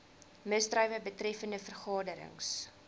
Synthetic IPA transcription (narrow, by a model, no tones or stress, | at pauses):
məsdrœɥvəbətrɛfəndəfərχɑːdəɾə̰ŋs